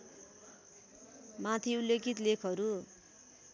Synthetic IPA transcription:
mat̪ʰiulːokit̪lekʰʌɾu

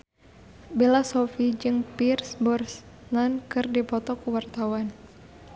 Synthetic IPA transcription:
bilasɔfid͡ʒɨŋpirsbɔrs | nankɨrdipɔt̪ɔkuwart̪awan

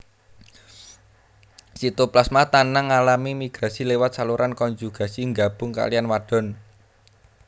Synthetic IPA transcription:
sit̪uplasmat̪anaŋːalamimiɡ̥ɾa̤silewat̪̚saluɾankɔɲd͡ʒuɡ̥a̤siŋɡab̥ʊ̤ŋka̰lijanwaɖ̥ɔ̤n

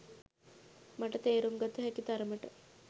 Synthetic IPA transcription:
mɐʈɐt̪eːɾumɡɐt̪ːuɦɛkit̪ɐɾɐmɐʈə

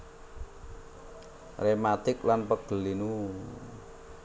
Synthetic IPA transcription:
remat̪ɪk̚lanpəɡ̥ə̤linu

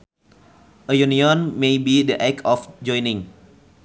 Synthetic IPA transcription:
ʔəjuniɔ̃nmebidəʔɛkɔfd͡ʒɔ̃jnĩŋ

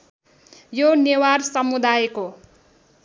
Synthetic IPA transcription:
jonewarsʌmud̪ajko

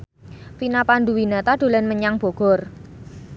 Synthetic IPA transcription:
finapand̪uwinat̪aɖ̥o̤lɛnməɲaŋb̥o̤ɡ̥ɔ̤r

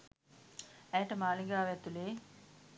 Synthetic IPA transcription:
æjʈəmaːliŋɡaːʋæt̪uleː

